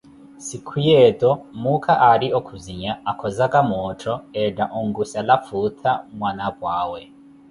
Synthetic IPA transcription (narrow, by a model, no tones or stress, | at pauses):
sikʰujɛtʼɔmukʰaʔaɾiɔkʰuziɲaakʰɔzakʼamɔtʰɔɛdaʔɔŋɡusalafut̪ʰamwanabwaːwɛ